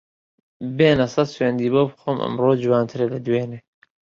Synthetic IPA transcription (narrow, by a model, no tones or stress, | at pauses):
beːnɐsɐsweːnd̪iːbowbxomʔɨ̰mroːd͡ʒuwaːnt̪ʰɨɾelɐd̪weːneː